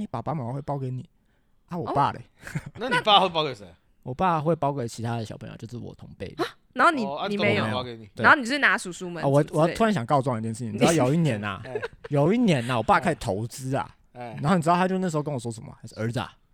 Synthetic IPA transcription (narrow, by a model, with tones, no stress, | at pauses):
ni˨˥˦pa̰˨˩pa˥˩ma˨˩˨we˥˩ɪɑ˥˧ʊke˧˦ɪni˨˩˦ | a˥˩wɔ˨˩pa˥˩lḛ˨˩ | na˥nia˥˧we˥˧˨pɑ˥˧ke˥˩e˦ | wɔ˨˩pa˥˧xwe˥˩ɪpɑ˥ʊke˥˩ɪt͡ɕʰi˧˥t̪ʰa˥d̪ə˩ɕɑ̰˨˩pʰə˧˦j̰t͡ɕjʊʂɻ̩˥˩wɔ̰˨˩t̪ʰʊ˧˥ŋpe˥˩ɪ | na˧no˥˩ni˨˩˧n˨˩e˧˥˦jo˨˧˥ke˧ni˨we˥˨˦xo˥˩ni˨˩˧ʂ̩˥˩na˧˥su˨˩su˥mə˨a˥˨wɔ˨wjɑ˥˩t̪u˥ɻa˧˦nɕjɑ˨˩ŋkɑ˥˧ʊt͡swŋ˧jɛ˥˧nʂ̩˥˩t͡ɕ̪jo˨˩ʊ˦i˥˩njɛ˨˥na̰˨jo˨˩ʊi˥˩njɛ˨˧˥na˨wɔ˨˩pa˥˩˧kʰa˥˩ɪt̪ʰo˧˦ʊt͡sɹ̩˥ɐ̰˨ | na˧˥xo˥˩ni˨˧˥a˥jo˥˧ʊ˥n˥˩ʂ̩˧o˥˧kə˦nwɔ˨˩wɔ˥ʂə˨˩mə̰˩˧˥ʂ̩˥˧ə˞˧˥d͡z̩˨˩a̰˨